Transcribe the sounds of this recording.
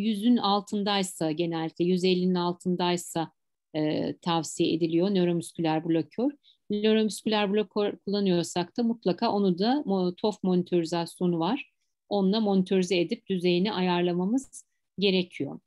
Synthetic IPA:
jyzynalˠt̪ʰɯnd̪ajsaɟe̞nɛlʲit̪ʰʲɛjyzelʲːinynalˠt̪ʰɯnd̪ajsa | t̪ʰavsijeʔḛd̪ilʲijo̞nøɾo̞myscylʲæɾblʲocʰøɾ̥ | nø̞ɾo̞myscylʲæɾblʲokʰoɾkʰulˠːanɯjo̞ɾsak̚t̪ʰamut̪lˠakʰaːʔo̞nud̪at̪ʰo̞fmo̞nit̪ʰo̞ɾizasjo̞nuvaɾ̥ | o̞nlˠamo̞nit̪ʰø̞ɾizɛed̪ip̚d̪̥yze̞jiniʔajaɾlˠamamɯz̥ | ɟe̞ɾecʰijo̞̰

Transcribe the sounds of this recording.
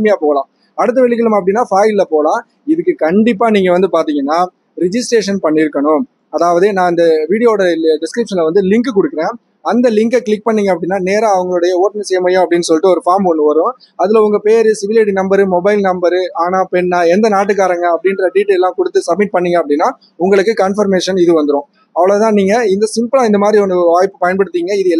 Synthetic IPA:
mɪjaːpoːɐlãː | ɐɽɯt̪ːɐʋɛɭːɪkːɐɭɯmɐpːɐɽɪnːaːfaːɪlːɐpoːlãː | ɪðɯkːɯkɐɳɖɪp̬ːaːniːŋɡɐʋɐnd̪ɯpaːɾt̪iːŋɡɐnːaː | ɾɪd͡ʒɪsʈɾeːʂɐnpɐɳːɪɾɯkːɐɳʊ̃ | ɐðaːʋɐðɯnãːɪnd̪ɐʋiːɽɪjoːɽɐɖɪskɾɪpʂɐnlɐʋɐnd̪ɯlɪŋkɯkɔɽɯkːɪɾẽː | ɐnd̪ɐlɪŋkɐkɭɪk̚ːpɐɳːiːŋɡɐpːɐɽɪnːaːneːɾɐɐʋɐŋɡɐɭɯɽɐjɐoːʈɐnɐsɛjɐmɐjʊ̃ɐpːɐɽɪnːɯsɔlːʈːɯɔɾɯfaːɾmɔnːɯʋɐɾʊ̃ | ɐðɯlɐʊŋɡɐpeːɾɯsɪʋɪlɐʈinɐmbɐɾɯmɔbɐɪlnɐmbɐɾɯaːnaːpɛnːãːɛnd̪ɐnaːʈːɯkːaːɾɐŋɡɐɐpːɐɽɪnrɾɐɖiːʈːelːãːkɔɽɯt̪ːɯsɐb̚mɪʈ̚pɐɳːiːŋɡɐɐpːɐɽɪnːaː | ʊŋɡɐɭɯkːɯkɐnfɐɾmeːʂɐnɪðɯʋɐnd̪ɯɾõː | ɐʋɐɭɐt̪ãːniːŋɡɐɪnd̪ɐsɪmpɯlãːɪnd̪ɐmaːd̪ɾiɔnːɯʋaːjpːɯ̥pɐjɐnpɐɽɯt̪ːiːŋɡɐɪðɯɛlː

